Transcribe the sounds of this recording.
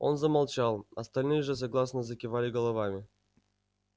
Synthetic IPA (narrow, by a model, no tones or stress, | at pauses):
o̞̰nzəmalˠt͡ɕɑlˠɐ̰st̪alʲnɨjəʐɨs̬aɡlˠasnəzəkʲɪvalʲɪɡəlˠɐvamʲɪ